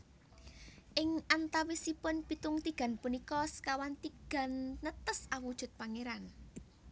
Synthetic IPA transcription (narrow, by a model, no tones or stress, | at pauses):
ʔɪŋʔant̪awisipʊnpit̪ʊŋt̪iɡ̥a̤npunikɔskawant̪iɡ̥a̤nːət̪əsawud̥ʒ̥ʊ̤t̪̚paŋeɾan